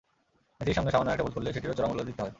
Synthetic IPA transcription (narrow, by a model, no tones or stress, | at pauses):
et̪iɾʃaŋneʃamonoɛk̚ʈebolkoɾlːeʃeʈiɾot͡ɕɔɾamulːod̪it̪eɦɔe